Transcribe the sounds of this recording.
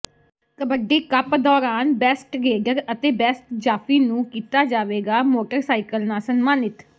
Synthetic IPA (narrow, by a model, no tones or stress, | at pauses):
t̪əbəɖːeːkəpd̪ɔːɾaːnbɛːsʈɾeːɖəɾət̪eːbɛːsʈd͡ʒaːpʰiːnũːkiːt̪aːd͡ʒaːʋeːɡaːmoːʈəɾsaːɪkəlnaːsənmaːnɪt̪